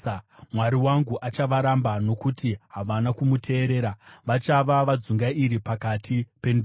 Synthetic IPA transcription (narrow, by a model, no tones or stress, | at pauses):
mwaɾiwaŋɡuʔat͡ʃaʋaɾambano̞kutiɦaʋanakumutʰe̞ːɾe̞ːɾaʋat͡ʃaʋaʋad͡zuŋɡaiɾipakatʰipe̞nd